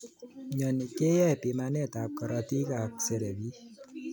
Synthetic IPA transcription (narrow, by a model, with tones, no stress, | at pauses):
ɲɔ˨ni˨ke˦jɛ˦˨pi˨ma˨nɛ˦ta˨p̚kɔ˨ɾɔ˨ti˦ka˨k̚se˨ɾe˨bi˦